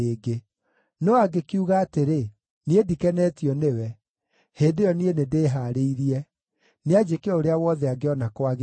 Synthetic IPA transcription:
eːɡe | nɔaɡekuɣaːteɾe | niedikɛnɛtiɔnewɛ | heːndejɔnienedeːɦaɾeiɾiɛ | nead͡ʒekeɔoɾeawɔðɛaɡeɔnakwaɣ

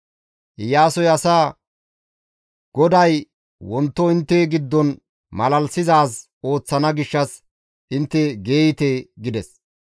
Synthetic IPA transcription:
ʔɪjːaːsɔjɐsaː | ɡ̥ɔd̪ɐj | wɔnt̪ːɔɪnt̪ːɛɡɪd̪ːɔn | mɐlɐlsɪzaːs | o̞ːt͡sːɐnɐɡɪʃːɐs | ɪnt̪ːɛɡe̞ːjɪt̪eːɡɪd̪ɛs

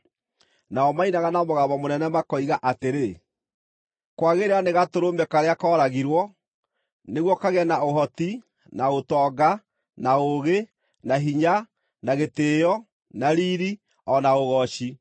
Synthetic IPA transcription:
naɔmainaɣanamoɣaːβamonɛnɛmakɔiɣaʔateɾe | kwaɣeɾeaneɣatoɾombɛkaɾeakɔːɾaɣiɾwɔ | neɣwɔkaɣɛnaoɦɔti | naotɔːɡa | naoɣe | naɦiɲa | naɣeteːjɔ | naɾiɾi | ɔnaoɣɔɕi

